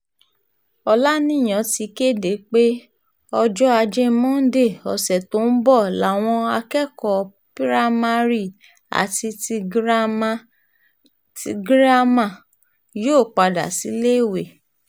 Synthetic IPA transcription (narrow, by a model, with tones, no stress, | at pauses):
ɔ˧la˦nĩ˦˨j̃ã˨˦ti˧ke˦˨de˨˦k͡pe˦ | ɔ˧d͡ʒɔ˦a˧d͡ʒe˦mɔ̃˦n̩˦de˦˨ɔ˨sɛ˨to˨˦n̩˦bɔ˦˨la˨w̃ɔ̃˧a˧kɛ˦˨kɔ˨ | pi˦ɾa˦ma˧ɾi˦˨ | a̰˨ti˧ti˧ɡɾa˦ma˦ | ti˧ɡɾa˦mã˦˨ | joː˦˨k͡pa˧da̰˨si˨˦le˦i˦˨we˨